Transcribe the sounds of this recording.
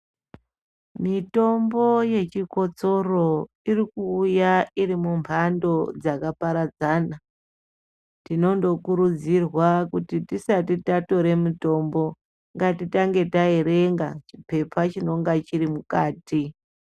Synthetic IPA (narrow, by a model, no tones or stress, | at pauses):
mito̞mbo̞je̞t͡ʃiko̞t͡so̞ro̞ | irikuːjaiɾimumpʰando̞d͡zakapaɾad͡zaːna | tino̞ndo̞kuɾud͡zirwakutitisatitato̞ɾe̞muto̞mbo̞ | ŋɡatitaŋɡe̞taeɾeŋɡat͡ʃipe̞pʰat͡ʃino̞ŋɡat͡ʃiɾimukaːti